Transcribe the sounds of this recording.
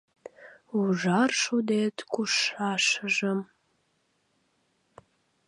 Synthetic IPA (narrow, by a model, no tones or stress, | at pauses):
uʒɑrʃud̪et̪kuʃɑʃəʒəm